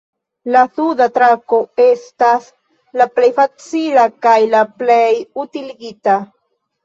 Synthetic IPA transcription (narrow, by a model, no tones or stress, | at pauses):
lasudat̪ɾako̞e̞stas | laplejfat͡silakajlaplejutiliɡita